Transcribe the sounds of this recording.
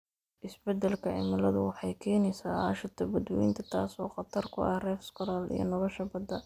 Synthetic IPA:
ʔɪsbɛd̪ɛlkʰɐʕɪ̰mɐlɐðʊwɑħɑjkʰɛːnɛjsaːa̰ʃɐt̪ʰɐbɐd̪wwḭnt̪ʰɐt̪ʰaːsɔːqɑt̪ʰɐrkʰʊʔɐ̰hrɛːfskʰʊɾalḭjɞ̰nɐlɔʃɐbɐd̪ɐ

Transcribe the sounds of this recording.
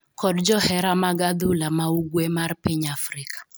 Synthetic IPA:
kɔdd͡ʒɔhɛɾamaɡad̪ulamauɡwemarpiɲafɾɪkḁ

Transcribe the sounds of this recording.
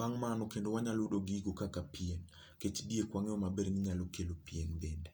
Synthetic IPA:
waŋmanɔkendowaɲalodoɡiɡokakapien | ket͡ʃdiekwaŋeɔmabeɾnɪɲalokelopienbende

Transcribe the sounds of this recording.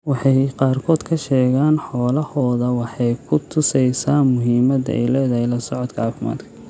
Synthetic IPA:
wɑħɑjqɑːrkʰɔːd̪kʰɐʃɛːɣaːnħɔːlɐhɔːðɐwɑħɑjkʰʊt̪ʰʊsɛjsaːnmʊɦiːmɐd̪ɛ̰jlɛːðɐhɛjlɐsɔʕɔd̪kʰɐɑːfɪma̰ːd̪kʰɐ̥

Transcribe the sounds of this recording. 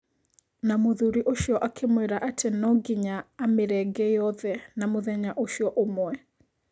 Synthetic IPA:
namoðuɾiʔoʃjɔʔakʰemweɾaʔatʰenɔɡiɲaameɾɛɡɛjɔðɛnamoðɛɲaʔoʃjɔʔomwɛ

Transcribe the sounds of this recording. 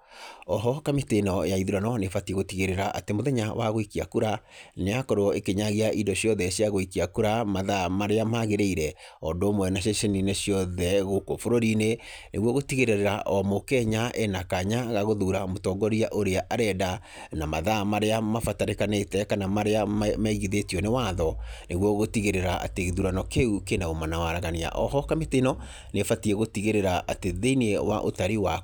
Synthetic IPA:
ɔɦɔkametenɔjaiðuɾanɔnefatieɣotiɣeɾeɾaʔa̰temoðɛɲawa̰ɣoikiakuɾaneakɔɾoɔekeɲaɣeaʔidɔɕjɔðɛɕjaɣoikiakuɾamaðamaɾeamaɣeɾeiɾɛɔndoːmwɛnaɕeʃenineɕjɔðɛɣokofoɾoɾine | nʔeɣwɔɣotiɣeɾeɾeɾaʔɔmokɛɲaʔɛnakaɲaɣaɣoðuɾamotɔɡɔɾiaʔoɾeaʔaɾɛda | namaðamaɾeamafataɾekanetɛkanamaɾeamamɛiɣiðetiɔnewaðɔneɣwɔɣotiɣeɾeɾaʔa̰teɣiðuɾanɔkeukenaomanawaɾaɣania̰ʔɔ̰ɦɔkametenɔ | nefatiɛɣotiɣeɾeɾaʔateðeinewa̰ʔotaɾiwa

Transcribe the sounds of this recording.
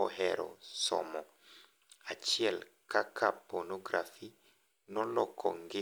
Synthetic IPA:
ɔhɛɾɔ̰sɔ̰mɔ | at͡ʃiɛl | kakʰaponoɡɾa̰fi | nɔlɔkʰɔŋɡɪ

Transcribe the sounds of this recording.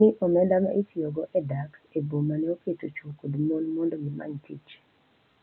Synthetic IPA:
ɪʔɔmɛndamaʔitioɡɔʔɛdakebomanɛoketot͡ʃokodmonmɔndɔɡɪma̰ɲtʰḭt͡ʃ

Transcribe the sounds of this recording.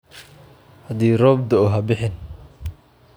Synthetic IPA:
hɐd̪iːrɔːbd̪ɔɔɦɐbɪħɪn

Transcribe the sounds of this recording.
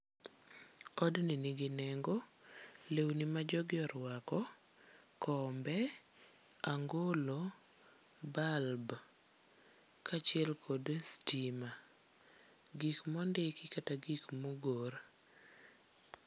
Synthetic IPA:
ɔdniniɡɪnɛŋɡɔ | lewnimad͡ʒɔɡɪɔɾwakɔ | kɔmbɛ | aŋɡolɔ | balb | kat͡ʃɪɛlkʰodstima | ɡikmɔndɪkɪkataɡikmoɡoɾ

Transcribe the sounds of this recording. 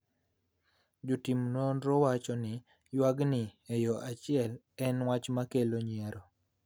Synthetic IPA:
d͡ʒʊtimnonɾɔwat͡ʃɔnɪ | jwaɡnɪejɔʔat͡ʃɪɛl | ɛnwat͡ʃmakeloɲɪɛɾɔ

